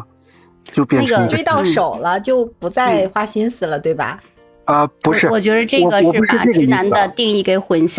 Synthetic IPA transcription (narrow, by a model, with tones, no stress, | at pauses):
t͡ɕo˥˩ʊpjɛ˥˩˥ɡə˩we˥˧ɪt̪ɑ˥˩ʊʂo˨˩ʊlə˦t͡ɕjo˥˩ʊpu˧˥t͡sa˥˩ɪxwa˥ɕi˥nsɹ̩˨˩lə˨˧t̪we˥˩ɪbɐ̰˩ | ə˧pu˧˥ʂɻ̩˥˩wɔ˨˩t͡ɕɥɛ˧˥d̪ə˧ʈ͡ʂɤ˥˩ɡə˩ʂɻ̩˥˩pa̰˥˨˩ʈ͡ʂɻ̩˧˥na˧˥nd̪ə˧t̪i˥˧ŋi˥˩ke˧˥˩ɪxwə˧˥nɕj